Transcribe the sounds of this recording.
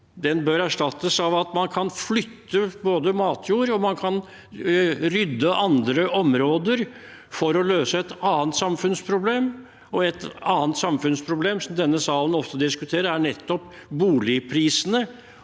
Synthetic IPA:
d̪ɛnbœɾæʂʈɑt̪ːəsɑʋɑt̪mɑnkʰɑnflʏt̪ːəboːd̪əmɑːt̪ʰjuːɾɔmɑnkʰɑn | ɾʏd̪ːəʔɑnd̪ɾəʔɔmɾoːd̪əɾ | fɔɾɔløːsəɛt̪ɑːənt̪sɑmfʉnspʰɾʊbleːm | ɔɛt̪ɑːnt̪sɑmfʉnspʰɾʊbleːmsɔmd̪ɛnːəsɑːlən̩ɔft̪əd̪ɪskʉt̪ʰeːɾəɾæɳɛt̪ːɔp | buːlɪpʰɾiːsənə

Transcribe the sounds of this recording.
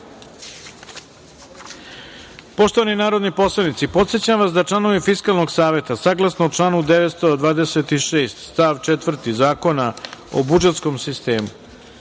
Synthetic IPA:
po̞ʃt̪o̞ʋaninaːɾo̞d̪nipo̞slˠanit̪sipo̞t̪se̞t͡ɕamʋasd̪aʈ͡ʂlˠano̞ʋifiskalnoɡsaːʋe̞t̪asaɡlˠasnoot͡ʂlˠaːnud̪eʋet̪st̪od̪ʋaːd̪eset̪iʃeːst̪st̪aʋt͡ʃet̪ʋr̩t̪izaːko̞nao̰bud͡ʒe̞t̪skomsist̪e̞ːmṵ

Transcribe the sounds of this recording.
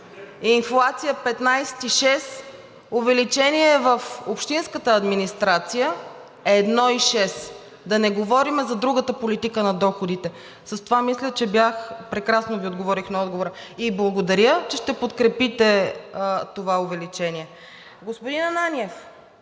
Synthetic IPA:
inflˠat̪sijəpɛt̪najsɛ̥t̪iʃɛs | ovɛlit͡ʃɛniɛːvəfopʃt̪inskət̪əɐd̪minist̪ɾat̪sijə | ɛːd̪nɔiʃɛs | d̪ɐnɛɡovɔɾimɛzɐd̪ɾuɡət̪əpolit̪ikənɐd̪ɔxod̪it̪ɛ | səst̪ovamislʲət͡ʃɛbjaxpɾɛkɾasnoviod̪ɡovɔɾixnɐɔd̪ɡovoɾəiblˠɐɡod̪ɐɾʲjət͡ʃɛʃt̪ɛpot̪kɾɛpit̪ɛ | t̪ovaovɛlit͡ʃɛniɛ | ɡospʊd̪inɐnanʲiɛf

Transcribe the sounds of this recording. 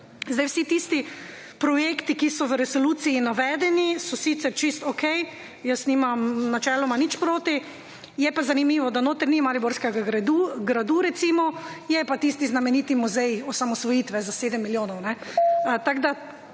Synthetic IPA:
zd̪ajwsit̪ist̪i | pɾɔjekt̪ikisɔʋəɾɛsoluːsiinaʋɛːd̪ɛnisɔsit̪sɛɾt͡ʃist̪ɔkɛj | jəsnimamnat͡ʃɛːlɔmanit͡ʃpɾoːt̪i | jɛpazanimiːʋɔd̪anoːt̪əɾnimaɾiboɾskɛɡaɡɾad̪uɡɾad̪uɾɛt̪simɔjɛpat̪ist̪iznamɛniːt̪imuzɛjɔsamɔsʋɔjiːt̪ʋɛzaseːd̪əmːiljoːnɔwnɛt̪aɡd̪a

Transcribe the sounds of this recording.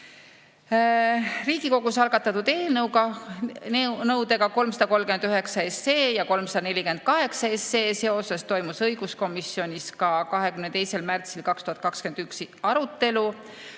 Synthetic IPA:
riːɡ̥iko̞ɡ̥usɑlɡ̥ɑt̪ːˑɑt̪ud̪̥e̞ːlnɤwɡɑ | nɤwd̪̥e̞ɡ̥ɑko̞lmsɑd̪ɑko̞lːkymend̪yɦe̞ksɑe̞se̞ːjɑko̞lmsɑd̪ɑne̞lʲike̞nd̪̥̚kɑɦe̞ksɑesːe̞ːse̞o̞se̞st̪o̞jmusɤjɡ̥usko̞misːio̞nʲiskɑkɑɦe̞kymnet̪e̞jse̞lmært̪silkɑkst̪uhɑt̪̚ˑkɑkskend̪̥yksɑɾut̪ːe̞lu

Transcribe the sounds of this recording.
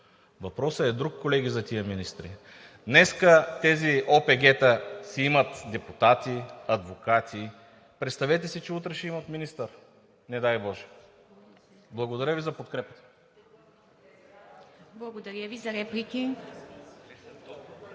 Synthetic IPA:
vɐpɾɔsəɛd̪ɾukːolɛɡʲizɐt̪iəminist̪ɾi | d̪nɛskət̪ɛziopɛɡɛt̪əsɛimɐt̪d̪ɛput̪at̪iɐd̪vokat̪i | pɾɛt̪st̪ɐvɛt̪̬ɛsit͡ʃɛut̪ɾɛʃɛimɐt̪minist̪əɾ | nɛd̪ajbɔʒɛ̥ | blˠɐɡod̪ɐɾʲəvizɐpot̪kɾɛpət̪ə̥ | blˠɐɡod̪ɐɾjəvizɐɾɛplikʲi

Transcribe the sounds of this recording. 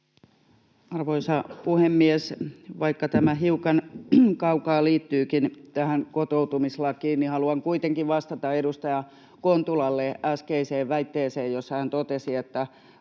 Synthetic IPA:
ɑrʋoisɑpuhemːiesʋɑikːɑt̪æmæhiukɑnkɑukɑːliːt̪ːyːkint̪æhæŋkot̪out̪umislɑkiːnnihɑluɑŋkuit̪eŋkiʋʋɑst̪ɑt̪ɑedust̪ɑjɑ | kont̪ulɑlːeʔæskeiseːʋʋæit̪ːeːseːjjosːɑhænt̪ot̪esiet̪ːæ

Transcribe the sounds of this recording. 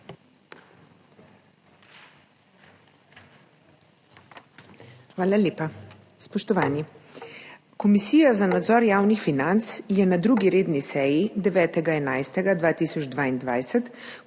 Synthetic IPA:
xʋaːlalʲeːpa | spɔʃt̪ɔʋaːni | kɔmisiːjazanad̪zɔɾjaːwnixfinant̪sjɛnad̪ɾuːɡiɾeːd̪nisɛːjid̪ɛʋɛːt̪ɛɡaɛnajst̪ɛɡad̪ʋaːt̪isɔd͡ʒd̪ʋaːind̪ʋajsɛt̪

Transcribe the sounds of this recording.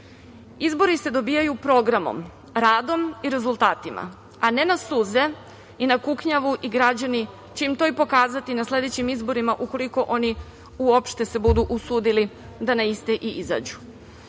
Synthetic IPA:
izbo̞ɾise̞d̪o̞bijajupɾo̞ɡɾamo̰m | ɾaːd̪o̞miɾe̞zulˠt̪aːt̪ima̰ | ane̞nasuːze̞ | inakukɲaʋuʔiɡɾad͡ʑani | t͡ɕe̞imt̪o̞ipo̞kaːzat̪inasle̞d̪e̞t͡ɕimizbo̞ɾimaʔuko̞liko̞ʔo̞ni | uopʃt̪e̞se̞bud̪uʔusuːd̪ili | d̪anaist̪eʔiiza̰ːd͡ʑu

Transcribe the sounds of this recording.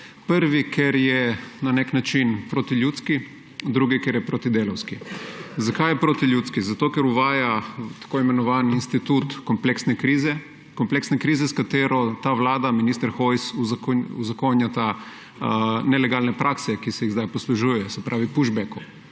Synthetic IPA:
pəɾʋikʰɛɾjɛnanɛknat͡ʃinpɾot̪iljuːt̪ski | d̪ɾuɡikɛɾjɛpɾot̪id̪eːlɔwskizakajɛpɾoːt̪iljuːt̪skizat̪oːkɛɾuʋaːjat̪ḁkoːimɛnɔʋaːninst̪it̪ut̪kɔmpleksnɛkɾiːzɛ | kɔmpleksnɛkɾiːzɛskat̪eːɾɔt̪aʋlaːd̪aminist̪əɾxojsukuzakonjat̪a | nɛlɛɡalnɛpɾʔaksɛkisɛjizd̪ajpɔsluʒuːjɛjɔsɛpɾʔaːʋipuʒbɛku

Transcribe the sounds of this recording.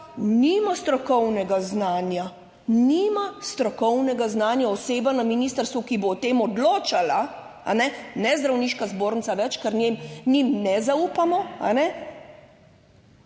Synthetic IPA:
nimast̪ɾɔkɔwnɛɡaznaːnja | niːmast̪ɾɔkɔwnɛɡaznaːnjaɔseːbanaminiːst̪əɾst̪ʋukiboːt̪eːmɔd̪loːt͡ʃala | a̰nɛnɛzd̪ɾawniːʃkazboːɾnsaʋɛt͡ʃkɛɾnjemnimnɛzaupamɔa̰nɛ

